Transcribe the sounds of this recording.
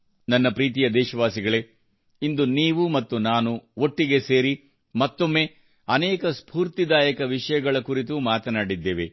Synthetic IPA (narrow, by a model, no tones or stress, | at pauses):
nɐnːɐpɾiːt̪̬ijɐd̪ɛːʃɐʋaːsiɡɐɭe | ind̪uniːʋumɐt̪ːunaːnuoʈːiɡe̞se̞ːɾi | mɐt̪ːo̞mːe̞ | ɐnɛːkɐspʰuːɾt̪id̪aːjɐkɐʋiʂɐjɐɡɐɭɐkuɾit̪̬umaːt̪ɐnaːɽid̪ːeːʋe̞